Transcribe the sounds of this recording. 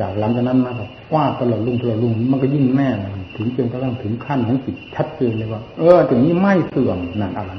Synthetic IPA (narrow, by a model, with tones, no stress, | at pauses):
aː˨˩klaː˨˦˥mt͡ɕʰa˧na˦˧˥nmaː˧˨kɔː˧˩ | kwaː˧˥˩t̚t̪ːa˧lɔː˨˩t̪̚lu˧˩˨ŋt̪a˧lɔ˨˩lu˧˩ŋniː˧˩ma˧˥˨k̬ɔ˧˩jɯ˧˩˨ŋmɛː˧˩a˧˩˧t̪ʰɯ˨˦ŋt͡ɕɯ˧ŋkt̪a˧˥˩ŋt̪ʰɯ˨˩˦ŋkʰa˧˥˩nha˨˧˥ki˨˩t̪̚t͡ɕʰa˦˥t̪̚t͡ɕeː˧nlɤː˧˩waː˧˩ʔɤː˧˩˧t͡ɕa˨˩ŋmiː˧˥˨ma˧˥˩jsɯ˨˩əŋna˨˩nʔa˧˩la˧˦